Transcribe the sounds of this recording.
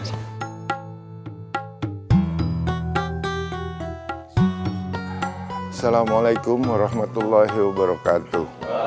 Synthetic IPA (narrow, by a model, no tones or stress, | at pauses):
salamalajkʊmwaɾɑhmat̪ulːaɦwabəɾɑkat̪uh